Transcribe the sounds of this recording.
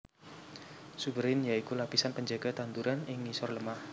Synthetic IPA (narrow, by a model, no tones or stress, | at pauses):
subəɾɪnjaikulapisanpəɲd͡ʒaɡ̥at̪and̪uɾanɪŋisɔrləmah